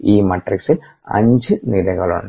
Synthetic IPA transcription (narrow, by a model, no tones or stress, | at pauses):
iːmɐʈriksil | ɐ̰ɲd͡ʑɨniɾɐɣɐɭṵɳ